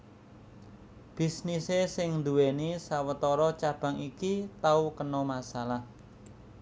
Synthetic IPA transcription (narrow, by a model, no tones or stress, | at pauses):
b̥isnisesɪŋnd̪uwenisawət̪ɔɾɔt͡ʃab̥a̤ŋikit̪aukənɔmasalah